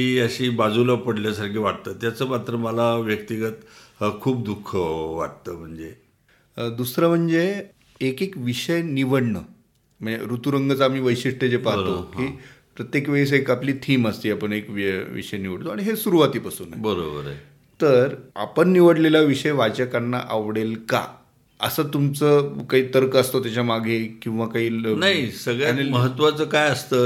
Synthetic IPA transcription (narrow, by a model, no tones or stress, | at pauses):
iəɕiːbad͡zulapəɽljasaɾkʰiʋaʈ̚t̪əːt̪jat͡səːmat̪ɾəməlaʋjək̚t̪iɡət̪kʰuːp̚d̪ukʰːəʋaʈt̪əːm̤əɳd͡ze | d̪usɾəm̤əɳd͡zeː | kekʋiɕəjniʋəɽɳə | m̤əɳd͡zḛɾut̪uɾəŋɡət͡sam̤iːʋəjɕiʂʈed͡zepaɦt̪okiːpɾət̪jekʋeis̬ekapliːt̪ʰiːməst̪iːapəɳekʋʋḭʂəjniʋəɽt̪oaɽ̃iɦesuɾuʋat̪iːpasuːna̰bəɾo̰bə̰ɾ̰ | t̪əɾa̰pəɳːiʋəɽleljaʋiʂəjʋat͡ɕakanːa̰ʔaʋɽelka̰ | ə̰sət̪umt͡səkaɦiːt̪əɾkəəst̪ot̪jat͡ɕjamaɡʱekĩʋakaɦiːnaɦisəɡɭjaeməɦət̪ːʋat͡səkajəst̪əː